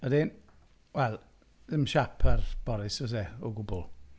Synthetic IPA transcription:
ədɪn | wɛlˠ | əmʃapʰərb̥ɔɾɪsɔs̬eɔɡʊbɔlˠ

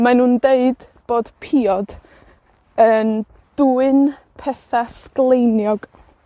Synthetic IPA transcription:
manuːndeɨd̥ | b̥oːd̥pʰiːɔd̥ | ən | d̥uɨnpʰɛθasklˠejnjɔɡ̥

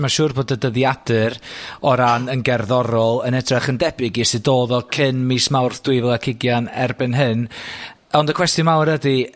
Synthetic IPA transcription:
maʃuːrboːdədəðjadɨɾɔɾanənɡɛrðɔɾɔlˠənɛdraχəndɛbɪɡisɨdoːðɔkʰɨnmiːsmawrθd̥wɨvɛlˠakʰɪɡjanɛrbɨnɦɨn | ɔndəkʰw̥ɛstjɔnmawɾədi

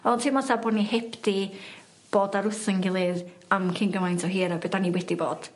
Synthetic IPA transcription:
ɔtʰɪmatʰabɔːdnihɛpʰdi | b̥oːdaɾʊθəŋɡɪlˠɨðamkʰɪŋɡəmajntʰɔɦiːɾabedaniwɛdiboːd̥

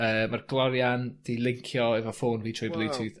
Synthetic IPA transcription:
əːmarɡlˠɔɾjand̥ilˠɪŋkʰjɔɛvɔfoːnviːtʰɔjblˠɪtʰɨθ

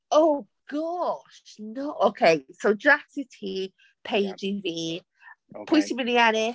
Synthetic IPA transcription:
oʊ | ɡ̥ɒʃnoʊʔoʊkʰeɪsoʊdɹatɪtʰiː | pʰeɪd͡ʒiːviː | pʰʊjsɪmɪnianɪ

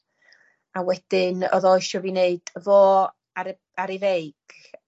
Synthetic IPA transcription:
awɛd̥ɪnɔ̰ðɔɨʃɔvineɨd̥əvɔː | a | aɾivejɡ̥

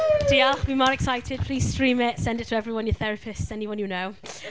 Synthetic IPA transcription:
d̥ialˠχb̥imɔːɹɛksaɪtʰɪd̥̚pʰl̥iːz̥stɹ̥ĩːmɪtsɛ̃ndɪtʰəɛvɹiwʌ̃njəθɛɹəpʰɪstsɛniwʌ̃njɨnoʊ

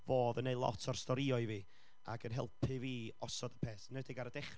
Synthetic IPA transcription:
voːðənːejlˠɔ̰tʰɔrstɔɾiɔɨviː | a̰ɡənɦɛ̰lˠpʰɨviːɔsɔdəpʰeːθnədɪɡaɾədɛχ

